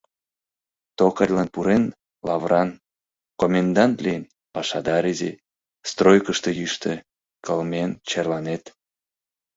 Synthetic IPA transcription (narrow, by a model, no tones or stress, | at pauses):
t̪okərʲlɑnpuɾen | lɑvrɑn | komʲend̪ɑnt̪lʲijn | pɑʃɑd̪ɑɾezḛ | st̪rojkəʃt̪ejyʃt̪e | kəlment͡ɕerlɑnet̪